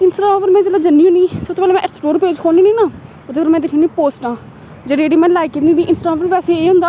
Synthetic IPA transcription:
ɪnsʈapəɾmɛ̃ːd͡ʒeːlaːd͡ʒənːiːũːniːsət̪ʰːoːpɛːlːmɛ̃ːʔɛʈsʈoːɾpeːd͡ʒkʰoːniːnĩːnaː | ʊt̪oːpɛːlmɛ̃ːd̪ekʰũːnĩːpoːsʈãː | d͡ʒeːɖeːɽiːmɛ̃ːlaːɪkit̪niːd̪iːʔɪnsʈaapəɾʋɛːseːeːɦʊ̃nd̪aː

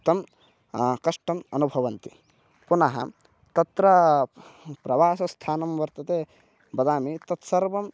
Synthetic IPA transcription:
t̪ɐm | kɐʂʈɐmɐnubʱɐʋɐnt̪i̥ | punɐɦɐ̰ | t̪ɐt̪ɾɐ | pɾɐʋaːsɐst̪ʰaːnɐmʋɐɾt̪ɐt̪eː | bɐd̪aːmit̪ɐt̪sɐɾʋɐm

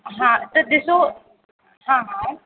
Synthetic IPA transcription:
ɦãːt̪ɐd̪eso | ɦãːɦã

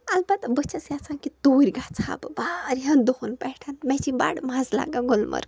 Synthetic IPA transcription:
ɐlbat̪ɐbət͡ʃʰɐsat͡sʰaŋkit̪oːɾʲɡat͡sʰa̰bɨbaːɾɦand̪ohunpɛʈʰanmɛt͡ʃiba̰ɽmazla̰ɡaɡolmʔə̰ɾ

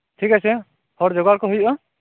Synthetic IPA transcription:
tʰikasɛ | hɔɾd͡ʒɔɡaɾkɔɦujʔɔ

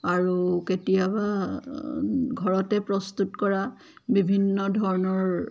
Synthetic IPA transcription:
aɹuketijaba | ɡʱɔɹɔtɛpɹɔst̪utkɔɹa | bibʱinːɔdʱɔɹɔnɔɹ

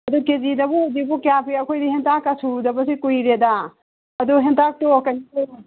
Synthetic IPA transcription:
ɐdukezidɐbudibukjapʰiɐkʰojdihentʰakɐsudɐbɐsikujɾeda | ɐduɦentak̚tokɐnie

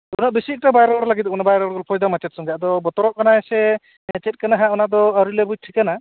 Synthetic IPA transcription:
unaʔbisik̚tabajɾɔɾlaɡit̪̚kɔnabajɾɔɾɡɔlpʰɔjd̪amat͡ʃɛt̪̚sɔŋɡaʔd̪ɔbɔt̪ɔɾɔʔkanaɛsɛ | mɛt͡ʃɛt̚kanaɦaʔɔnad̪ɔaɾulɛbud͡ʒʈʰikana

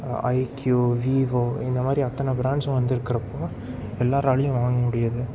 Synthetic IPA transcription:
ɐ̰ɪkjoʋiːʋoːɪnd̪ɐmaːd̪ɾiɐt̪ːɐnɐbɪɾaːɳɖsɐ̃ʋɐnd̪ɪɾɯkːɪɾɐpːoː | ɛlːaːɾɐɭɪjʊ̃ʋaːŋɡɐmʊɽɪjɐðɯ

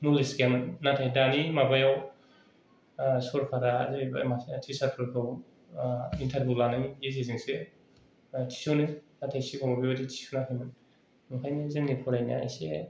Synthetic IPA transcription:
nulisɡamɯnːatʰajdanimabajaw | sɔɾpʰaɾazib̰mastʰisaɾpʰaɾkʰaw | intʰaɾbulanaŋeziziŋse | tʰi̥sownɯnatʰajsikʰawmabibaditʰi̥suwnakʰajmɯn | nukʰajnizeŋnipʰɔɾajna̰a̰jse

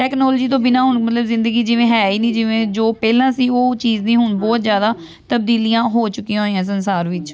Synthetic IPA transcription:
ʈɛːknɔːld͡ʒiːt̪̬õːbɪnãːɦʊɳmət̪ləbzɪ̃nd̪əɡiːd͡ʒɪʋẽːɦɛːiːnĩːd͡ʒɪʋẽːd͡ʒoːpɛːlãːsiːoːt͡ʃiːd͡ʒnĩːɦʊɳbɔːt̪zjaːd̪aː | t̪əb̚d̪iːlijãːɦoːt͡ʃʊkːiãːɦoiːãːs̬ənsaːɾʋɪt͡ʃ

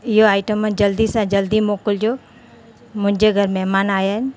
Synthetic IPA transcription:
ɪɦoaːɪʈəmə̃d͡ʒəld̪isãd͡ʒəld̪imoːkəld͡ʒoː | mʊ̃ɦɪ̃ɲd͡ʒeɡʱəɾmɛɦmaːnaːjaɦɪnɪ̆

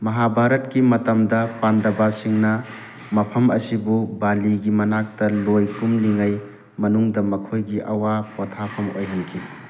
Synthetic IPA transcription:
mɐɦabʱaɾɐtkimɐtɐmdɐpandɐbasiŋnɐ | mɐpʰɐmɐ̰sibubaliɡimɐnak̚tɐlojpumliŋaj | mɐnuŋdɐmɐkʰojɡiʔɐwapɔtʰapʰɐmo̰jɦɐnkʰi

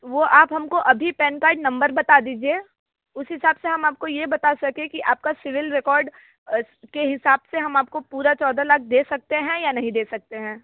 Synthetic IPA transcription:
ʋoʔaːpɦɐmkoʔɐbʱipɛːnkaːɪʈnɐ̃mbəɾbɐt̪ad̪iːd͡ʒieː | ʊsɦɪsaːbseɦɐmaːp̚kojebɐt̪asɐkẽkiʔaːp̚kasɪʋɪlɾɛkɔːɾɖ | keɦɪsaːbseɦɐmaːp̚kopuːɾat͡ʃɔːd̪alɐk̚ʰd̪eːsɐk̚t̪eɦɛ̃janɐɦĩd̪eːsɐk̚t̪eɦɛ̃ː

